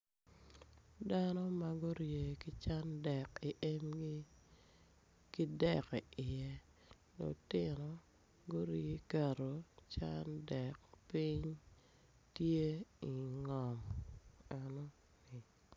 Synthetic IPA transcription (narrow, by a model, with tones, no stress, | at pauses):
da˦nɔ˦ma˨ɡo˦ɾje˨ki˦t͡ʃa˦ndɛ˨ki˨ʔe˦m˦ | ki˦dɛ˨ki˨ʔɪ˨jɛ˦ | lo̰˨tɪ˦nɔ˨ | ɡo˦ɾje˦kɛ˨ɾo˨t͡ʃa̰˦ndɛ˨k̚pi˦ɲ | tje˦i˨ŋɔ˨ŋ | a˨nɔ˦ | ni˨